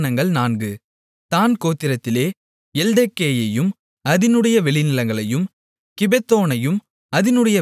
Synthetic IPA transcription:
nɐŋɡɐɭnaːnɡɯ | t̪aːnkoːt̪ːɪɾɐt̪ːɪleː | ɛld̪ɛkːeːjɐjɯm | ɐðɪnɯɽɐjɐʋɛɭɪnɪlɐŋɡɐɭɐjɯm | kɪbɛt̪ːoːnɐjɯm | ɐðɪnɯɽɐjɐ

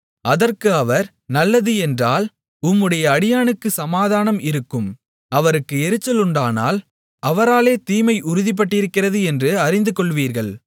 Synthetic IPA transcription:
ʔɐðɐrkɯɐʋɐɾ | nɐlːɐðɯɛndraːl | ʊmːɯɽɐjɐːɽɪjaːnɯkːɯsɐmaːðaːnɐmɪɾɯkːɯm | ɐʋɐɾɯkːɯɛɾɯt͡ʃːɐlʊɳɖaːna̰ːl | ʔɐʋɐɾaːleːt̪iːmɐɪʔʊɾʊðɪp̬ːɐʈːɪɾɯkːɪrɐðɯɛndrɯɐrɪnd̪ɯkɔɭʋiːɾɣɐɭ

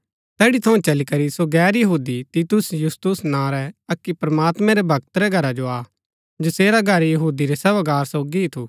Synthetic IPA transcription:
t̪ɛːɽit̪ʰɐũt͡ʃɐlikɐɾisoɡɛːɾjɐɦuːd̪it̪it̪ʊsjʊst̪ʊsnãɾɛɐkːipɾɐmaːt̪mɛ̃ɾɛbʱɐɡt̪ɾɛɡʱɐɾad͡ʒoaː | d͡ʒɪseːɾaɡʱɐɾjɐɦuːd̪iɾɛsɐʋɐɡaːɾsoːɡiɦit̪ʰu

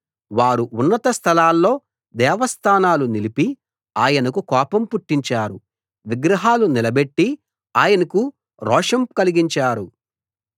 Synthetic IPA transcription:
ʋaːɾuʔunːɐt̪ɐst̪ʰɐlaːlːo̞ː | d̪ɛːʋɐst̪ʰaːnaːlunilipi | aːjɐnɐkukɔːpɐmpuʈːiɲt͡ʃaːɾu | ʋiɡɾɐɦaːlunilɐbeʈːi | aːjɐnɐku | ɾɔːʂɐmkɐliɡiɲt͡ʃaːɾu

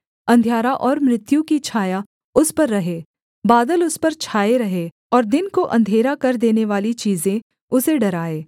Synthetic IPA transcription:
ɐ̃nd̪ʱjaːɾaʔɔːɾmɾɪt̪jũkit͡ʃʰaːja | ʊspɐɾːɐɦeː | baːd̪əlʊspɐɾt͡ʃʰaːeɾɐɦe | ɔːɾd̪ɪnkoʔɐ̃nd̪ʱeːɾakɐɾd̪eːneʋaːlit͡ʃiːzẽ | ʊseɖɐɾaːeː

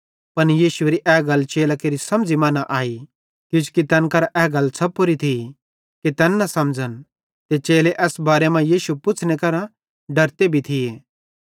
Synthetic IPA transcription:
pɐnjiːʃʊeːɾiʔɛːɡɐlt͡ʃeːlakeːɾisɐmd͡zimaːnaʔaːi | kʊt͡ʃʰkit̪ɛːnkɐɾaʔɛːɡɐlt͡sʰɐpːoɾit̪ʰi | kit̪ɛːnːɐsɐmd͡zən | t̪et͡ʃeːleʔɛːsbaːɾemãjiːʃupʊt͡sʰnekɐɾã | ɖɐɾt̪ebʱit̪ʰieː

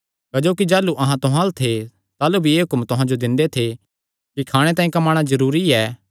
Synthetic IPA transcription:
kɐd͡ʒoːkid͡ʒaːluʔɐɦãt̪ʊɦãlt̪ʰe | t̪aːlubʱieːɦʊkmt̪ʊɦãd͡ʒod̪ɪ̃nd̪et̪ʰe | kikʰaːɽ̃et̪ãːĩkɐmaːɽ̃azɐɾuːɾiɛː

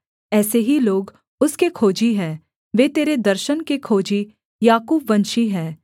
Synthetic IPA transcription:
ɛːseɦiloːɡ | ʊskekʰoːd͡ʒiɦɛ̃ː | ʋeːt̪eːɾed̪ɐɾʃənkekʰoːd͡ʒi | jaːkuːbʋɐ̃nʃiɦɛ̃ː

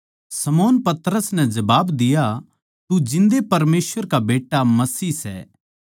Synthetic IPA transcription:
sɐmoːnpɐt̪ɾəsnɛd͡ʒɐbaːbd̪ɪja | t̪ud͡ʒɪ̃nd̪epɐɾmeːsʋəɾkabeːʈːamɐsiːsɛ̰ː

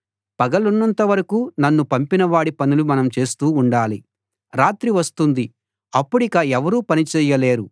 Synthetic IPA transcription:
pɐɡɐlunːɐnt̪ɐʋɐɾɐkuːnɐnːupɐmpinɐʋaːɽipɐnulumɐnɐmt͡ʃe̞ːst̪uːɳɖaːli | ɾaːt̪ɾiʋɐst̪und̪i | ɐpːuɽikɐɛʋɐɾuːpɐnit͡ʃɛːjːɐle̞ːɾu

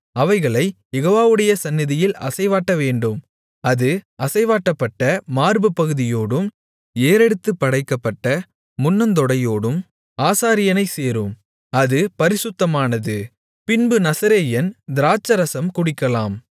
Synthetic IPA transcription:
ɐʋɐɪɣɐɭɐɪjɛɣoːʋaːʋɯɽɐjɐsɐnːɪðɪjɪlɐ̰sɐɪʋaːʈːɐʋeːɳɖɯm | ɐðɯʔɐsɐɪʋaːʈːɐpːɐʈːɐmaːɾbɯpːɐɣɯðɪjoːɽɯm | eːɾɛɽɯt̪ːɯpːɐɽɐɪkːɐpːɐʈːɐ | mʊnːɐnd̪ɔɽɐjoːɽɯm | aːsaːɾɪjɐnɐɪseːɾɯm | ɐðɯpɐɾɪsʊt̪ːɐmaːnɐðɯ | pɪnbɯnɐsɐɾeːjɐnd̪ɪɾaːt͡ʃːɐɾɐsɐmkʊɽɪkːɐlaːm

